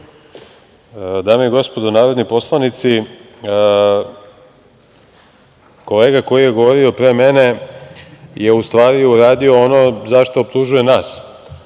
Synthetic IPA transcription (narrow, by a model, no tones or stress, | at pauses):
d̪aːmeiɡo̞spo̞d̪onaːɾod̪nipo̞slˠanit̪si | ko̞le̞ːɡako̞jije̞ɡo̞ʋo̞ɾio̞pɾe̞ːme̞ne̞ | je̞ust̪ʋaːɾiuɾaːd̪io̞ono̞zaʃt̪o̞ːp̚t̪uʒuje̞naːs